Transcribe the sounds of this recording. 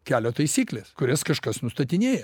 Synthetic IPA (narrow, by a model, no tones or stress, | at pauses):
kʲæːlʲoːt̪ɐɪsʲiːklʲeːskʊɾʲɛskɐʃkɐsnʊst̪ɐt̪ʲɪnʲeːjɛ